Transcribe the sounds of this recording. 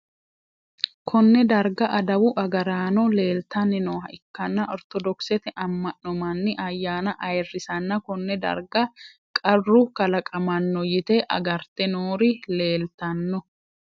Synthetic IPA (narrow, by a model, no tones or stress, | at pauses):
kʰɔnːɛd̪ɐɾɡɐʔɐd̪ɐwʊʔɐɡɐɾaːnɔle̞ːlt̪ɐnːɪnoːhɐʔɪkːɐnːɐʔɔɾt̪ɔd̪ɔksɛt̪ɛʔɐmːɐʔnɔmɐnːɪʔɐjːaːnɐʔɐjrːɪsɐnːɐkɔnːɛd̪ɐ̰ɾɡɐ | kʼɐrːʊkɐlɐkʼɐmɐnːɔjɪt̪eʔɐɡɐɾt̪ɛnoːɾɪle̞ːlt̪ɐnːɔ